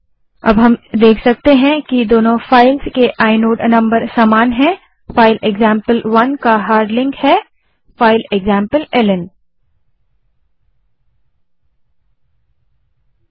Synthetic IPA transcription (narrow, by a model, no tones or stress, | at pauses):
ɐ̰bɦɐmd̪eːkʰsɐk̚t̪eɦɛ̃kid̪oːnõfaːɪlzkeʔaːɪnoːɖnɐ̃mbəɾsaːmaːnɦɛ̃ | faːɪleɡzãːmpəlʋɐnkaɦaːɾɖlɪ̃ŋkhɛː | faːɪleɡzãːmpəlɛlən